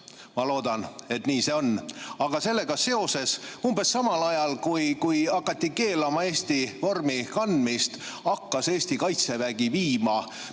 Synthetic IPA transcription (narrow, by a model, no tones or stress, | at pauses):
mɑlo̞ːd̪̥ɑne̞t̪niːse̞o̞nːɑɡ̥ɑse̞lːe̞ɡ̥ɑse̞o̞se̞sumbe̞sːɑmɑlɑjɑlkujkujɑkːˑɑt̪ʲːike̞ːlɑmɑe̞ːst̪ivo̞rmikɑnd̪mist̪ | ɑkːɑse̞ːst̪ikɑjt̪se̞væɡ̥iviːmɑ